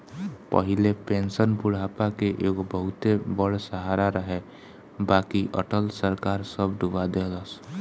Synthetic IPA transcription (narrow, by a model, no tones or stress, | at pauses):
pə̰ɦɪlepẽːnsənpʊɽ̤aːpakeʔeːkbəɦʊt̪ebəɽsəɦaːɾaɾəɦe | baːkiʔə̰ʈəlsəɾkaːɾsəbɖubad̪eləs